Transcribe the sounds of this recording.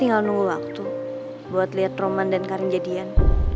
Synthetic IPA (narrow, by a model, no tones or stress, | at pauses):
iŋɡalunuŋɡuwak̚t̪u | buat̪liɦat̪romandankaɾɪŋd͡ʒadian